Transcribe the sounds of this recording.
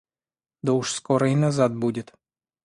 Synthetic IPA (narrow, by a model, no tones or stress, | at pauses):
d̪ɔuʂskɔɾɐjnazad̪̚budʲɪt̪